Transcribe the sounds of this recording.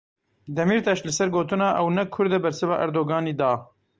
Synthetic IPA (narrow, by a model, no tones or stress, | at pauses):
d̪ɛmiːɾt̪ɛʃlɨsɛɾɡoːt̪ɨnɑːʔɛwnɛkʰʊɾd̪ɛbɛɾsɨvɑ̰ːʔɛɾd̪oːɡɑːniːd̪ɑː